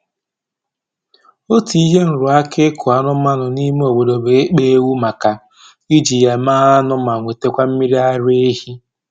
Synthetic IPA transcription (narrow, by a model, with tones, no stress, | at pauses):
o˦ti˨i˦ɦe˦n̩˨ɾʊ˨a˦kɪ˦kʰʊ˨a˨nʊ˦ma˦nʊ˨ni˦me˦o˨ɡ͡bo˨do˨be˨˦k͡pe˦wu˦ma˨ka˨ | i˦d͡ʒi˨ja˨maː˦a˦nʊ˦ma˨ŋʷe˨te˦kʷa˦m̩˦mi˦ɾi˦a˦ɾe˦e˦hi˦